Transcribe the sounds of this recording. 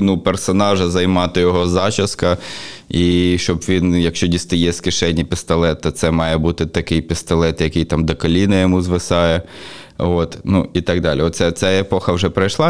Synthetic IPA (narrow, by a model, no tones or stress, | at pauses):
nupersɔnɑʒɐzɐjmɑt̪ɪjɔɦɔzɑt͡ʃɐskɐiʃt͡ʃɔbʋʲinjɐkʃt͡ʃɔdʲist̪ɪjɛskɪʃɛnʲːipʲɪst̪ɐlˠɛt̪ːɔt̪sɛmɑjɛbut̪ɪt̪ɐkɪjpʲɪst̪ɐlˠɛt̪jɐkɪjt̪ɑmd̪ɐkɔlʲinɐjɔmuzʋɪsɑjɛ | ot̪nuit̪ɑɡ̚d̪ɑlʲiɔt̪sʲɛt͡sʲaepɔxɐwʒɛpɾɐjʃlˠɑ